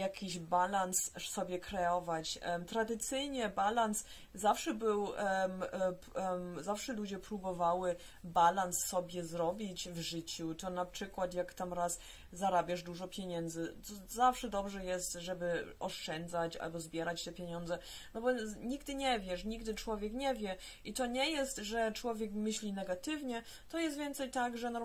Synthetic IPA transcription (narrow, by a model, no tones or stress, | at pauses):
jakʲiʑbalanssɔbʲjɛkɾɛɔvat͡ɕt̪ɾad̪ɘt̪sɘjɲɛbalans | zafʂɛbɘw | zafʂɛlud͡ʑɛpɾubɔvawɘ | balansːɔbʲjɛzɾɔbʲit͡ɕvʐɘt͡ɕut̪ɔnapʂɘkwat̪jakt̪amɾas | zaɾabʲaʐd̪uʐɔpʲjeɲɛnd̪zɘt̪ɔzafʂɛd̪ɔbʐɛjɛst̪ʐɛbɘʔɔʂt͡ʂɛnd̪zat͡ɕa̰lbɔzbʲjɛɾat͡ɕt̪ɛpʲjeɲɔnd̪zɛ | nɔbɔɲiɡd̪ɘɲɛvʲjɛʂɲiɡ̚d̪ɘt͡ʂwɔvʲjɛkɲɛvʲjɛ | it̪ɔɲɛjɛst̪ʐɛt͡ʂwɔvʲjɛkmɘɕlʲinɛɡat̪ɘvɲɛ | t̪ɔjɛst̪vʲjɛnt̪sɛjt̪aɡʐɛnɔ